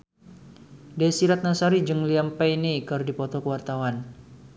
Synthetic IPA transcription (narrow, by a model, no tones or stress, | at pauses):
dɛsiɾat̪̚nasaɾid͡ʒɨŋliampajnikɨrdipɔt̪ɔkəwart̪awan